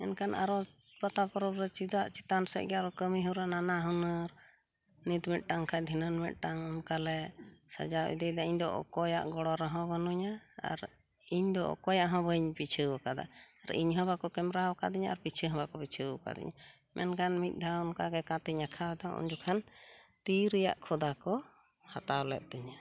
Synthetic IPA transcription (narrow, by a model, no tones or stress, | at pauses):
ɛnkʰanʔa̰ɾɔ | pat̪apɔɾɔbɾɛt͡ʃid̪aʔt͡ʃit̪ansɛ̰c̚ɡɛaɾɔkəmiɦuɾananaɦunəɾ | nit̪mɛt̪̚ˀʈaŋkʰad̪ʱinənmɛt̪̚ˀʈaŋɔnkalɛsa̰d͡ʒawʔḭd̪ɛjd̪aiɲd̪ɔ̰ʔɔ̰kɔja̰ʔɡɔɽɔɾɔɦɔ̃bənuɲaa̰ɾ | iɲd̪ɔʔɔ̰kɔjaʔɦɔ̃bəɲpit͡ʃʰəwkad̪a̰aɾḭɲɦɔ̃bakɔkɛmɾawkad̪iɲaʔaɾpit͡ʃʰəɦɔ̃bakɔpit͡ʃʰəka̰d̪ḭɲa | mʔɛ̰nkanmitc̚ˀd̪ʱaɔnkaɡɛkãt̪iɲakʰawɛd̪ɔʔṵɲd͡ʒukʰant̪iɾija̰ʔkʰɔd̪akɔ | hat̪awlɛ̰t̪̚t̪ɛɲa